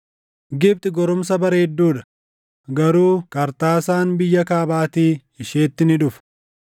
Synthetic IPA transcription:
ɡɪb̚t̪ɪɡɔɾʊmsɐbɐɾeːd̪ːuːᶑɐ̥ | ɡɐɾuːkɐɾt̪aːsaːnbɪjːɐkaːbaːt̪iː | ɪʃe̞ːt̪ːɪnɪᶑʊf

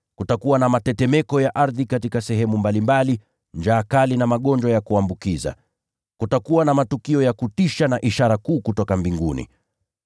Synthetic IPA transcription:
kutakuwanamatɛtɛmɛkɔjaʔaɾðikatikasɛɦɛmumbalimbali | nd͡ʒaːkalinamaɠɔnd͡ʒwajakuambukiza̰ | kutakuwanamatukiɔjakutiʃanaʔiʃaɾakuːkutɔkambiŋɡunḭ

